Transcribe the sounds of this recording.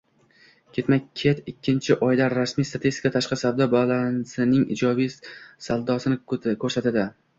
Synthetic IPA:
kʲʰe̞t̪makʲʰːet̪ɪkʲʰːɪnt͡ʃʰɪʔɒjd̪aɾasmijst̪ʰat̪ʰist̪ɪ̥kʰat̪ʰaʃqɨsavd̪ɒbalˠansɪnɪŋɪ̰d͡ʒɒbijsalˠd̪ɒsɪnɪkʰɵɾsat̪ad̪ɪ

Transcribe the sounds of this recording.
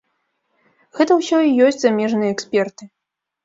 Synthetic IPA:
ɣɛt̪ɐwsʲɔijɔsʲtt͡sʲzamʲɛʐnɨjɛɛksʲpʲɛrt̪ɨ

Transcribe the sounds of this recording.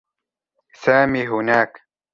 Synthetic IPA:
saːmiːɦʊnaːk

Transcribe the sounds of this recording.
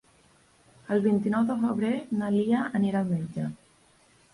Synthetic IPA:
əlˠβint̪inɔwðəfəβɾenaliaəniɾalmed͡ʒə

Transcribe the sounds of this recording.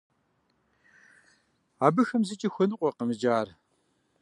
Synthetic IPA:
aːbɨxɐmzɨt͡ʃʼixʷɔnɨqʷʼɔqəmɨd͡ʒaːr

